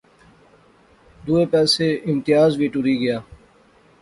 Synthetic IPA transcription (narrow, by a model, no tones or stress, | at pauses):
d̪uːepɛːseɪmt̪ɪjaːzbʱiːʈʊɾiɡɐjaː